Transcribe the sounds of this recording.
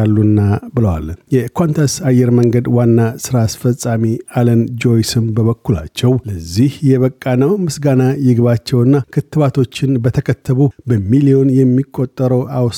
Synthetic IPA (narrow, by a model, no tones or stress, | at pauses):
alːunːabɨləwa̰ljɛkʰont̪ʰasajːɛɾməŋɡəd̪wanːasɨɾaːsfəsʼamialənd͡ʒo̞jsɨmbəβəkːula̰t͡ʃːɛwləzːihjɛβəkʼːanəwmɨsɡanajɪɡɨβat͡ʃːɛwɨnːakʰɨt̪ːɨβat̪ʰo̞t͡ʃːɪnbət̪ʰəkʰət̪ʰːəβubəmilio̞njɛmːikʼːo̞t̪ʼːəɾəwʔaws